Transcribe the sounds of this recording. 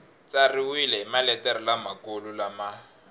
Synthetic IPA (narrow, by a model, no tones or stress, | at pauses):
t͡sariwilɛimalɛtɛɾɔlamakolulama